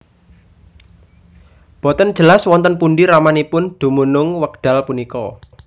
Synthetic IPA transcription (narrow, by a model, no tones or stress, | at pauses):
b̥ɔ̤t̪ən̥d͡ʒ̥ə̤laswɔnt̪ənpunɖiɾamanipʊnd̪̥ṳmunʊŋwəɡɖ̥a̤lpunikɔ